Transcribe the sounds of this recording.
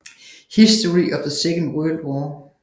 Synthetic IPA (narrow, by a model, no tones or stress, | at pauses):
hɪsd̥əɹiʔʌvðəseɡə̃n̩dwɜːlˠdwɔː